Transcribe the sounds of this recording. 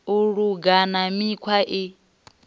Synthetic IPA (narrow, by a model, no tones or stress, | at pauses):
uɺuɡanamikʰwaʔi